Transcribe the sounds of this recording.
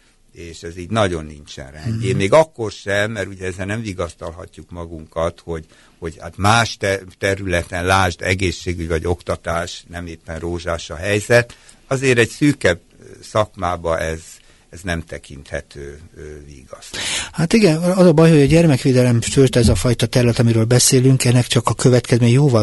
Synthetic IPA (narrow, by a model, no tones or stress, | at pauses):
eːʃɛziːɟnɒɟo̞nːint͡ʃɛ̰nrɛndeːmeːɡɒkːo̞rʃɛmːɛɾuɟɛɛzɛlnɛɱviːɡɒst̪ɒlɦɒ̰cːukmɒɡuŋkɒt̪ho̞ɟ | ho̞ɟha̰ːt̪maːʃtɛt̪ɛɾylɛt̪ɛnlaːʒd̪ɛɡeːʃːeːɡyɟvɒɟo̞kt̪ɒt̪aːʃnɛmeːpːɛnroːʒaːʃɒɦɛjzɛt̪ | ɒzeːɾɛɟsyːkɛb̚ | sɒkmaːbɒʔɛz | ɛznɛmt̪ɛkint̪hɛ̰t̪øːvḭːɡɒshaːt̪iɡɛnɒzɒbɒjho̞ɟɒɟɛrmɛkʋeːd̪ɛlɛmʃyrt̪ɛzɒfɒjt̪ɒt̪ɛɾylɛt̪ɒmiɾøːlbɛseːlyŋkɛnːɛkt͡ʃɒkɒkø̞vɛt̪kɛzmeːɲjoːvɒ